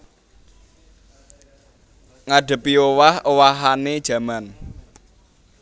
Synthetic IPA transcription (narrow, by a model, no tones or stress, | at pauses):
ŋaɖ̥ə̤piowahowaɦaned̥ʒ̥ä̤man